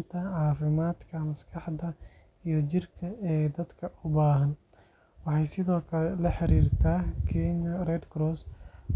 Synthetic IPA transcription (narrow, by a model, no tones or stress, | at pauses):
nt̪ʰɐʕɑːfɪmaːd̪kʰɐmɐskʰɑħdɐ | ijɞt͡ʃɪrkʰɐɛːd̪ɐd̪kʰɐʔʊbaːɦɐn | wɑħɑjsɪðɔːkʰɐlɛlɐħɑɾiːrt̪ʰaːkʰiːnɐrɛd̪ɡɾɔːs